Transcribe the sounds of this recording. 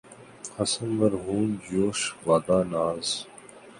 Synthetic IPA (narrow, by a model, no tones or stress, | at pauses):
hɐsɐnʋɐɾɦuːnd͡ʑoːʃʋaːd̪aːnaːz